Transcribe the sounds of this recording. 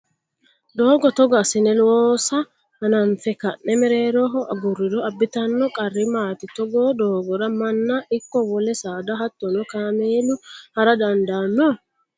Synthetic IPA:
d̪oːɡɔt̪ɔɡasɪnɛlwoːsɐ | hɐnɐɱfɛkɐʔnɛmɛɾeːɾɔɦɔʔɐɡʊɾːɪɾɔɐbːɪt̪ɐnːɔkʼɐrːɪmaːt̪ɪt̪ɔɡoːd̪oːɡɔɾɐmɐnːaʔɪkːɔwɔlɛsaːd̪ɐɦɐt̪ːɔnɔkameːlʊhɐɾɐd̪ɐnd̪anːɔ

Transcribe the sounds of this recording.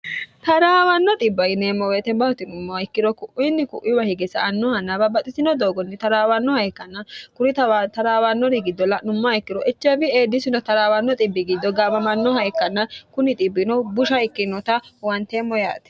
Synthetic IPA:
t̪ɐɾaːwɐnːɔt̪ʼɪbːɐjɪneːmːɔweːt̪ɛnbɐhʊt̪ɪnʊmːɔɪkːɪd̪ɔkʊʔɪnːɪkʊʔɪwɐhɪɡɛsɐ̰ːnːɔhɐnːɐbɐbɐt̪ʼɪsɪnɔd̪oːɡɔnːɪt̪ɐɾaːwɐnːɔhɐjkːɐnːɐkʊɾɪt̪ɐt̪ɐɾaːwɐnːɔɾɪɡɪd̪ːɔlːɐnʊmːɐɪkːɪɾɔʔɛt͡ʃːɐbɪeːd̪ːɪsɪnɔt̪ɐɾaːwɐnːɔt̪ʼɪbːɪɡɪd̪ːɔɡaːbɐmɐnːɔhɐjkːɐnːɐkʊnɪt̪ʼɪbːɪnɔbʊʃɐɪkːɪnɔt̪ɐwɐnt̪emːɔja̰ːt̪ɛ̥

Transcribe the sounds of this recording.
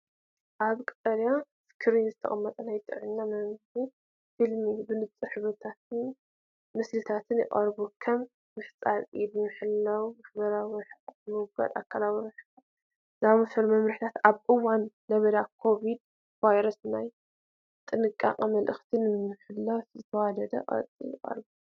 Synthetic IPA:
ʔaβkʼɨt̪ʼːɐlja | fɨ̥kʰɨɾinzɨt̪ʰɐ̰χʼɐmːɐt̪ʼɐnajt̪ʼɨ̰ʕɨnːamɐmzi | filmibɨnɨt͡sʼɨħɨβɐt̪ʰat̪ɨn | mɨslɨt̪ʰat̪ʰɨnjɪ̰kʼɐɾbokʰɐmː | ɨħt͡sʼaɾid̪ɨmɨħɨlːɐwmaħbɐɾawɨɾħʼɨmɨɡa̰d̪a̰kʰːalawɾɨħa | zamɨfɐlmɐmɾɨħt̪ʰat̪aβʔɨwanːɐβɐd̪akʰo̞βid̪ | vajɾɐsnaj | t̪ʼɨnɨkʼːa̰qʼmɐlʔɨxt̪ʰinɨmɨħɨlːafzɨt̪ʰɐwad̪ɐd̪ɐ̰ʔʼɐ̰t͡sʼḭjɪ̰qʼɐ̰ɾbu

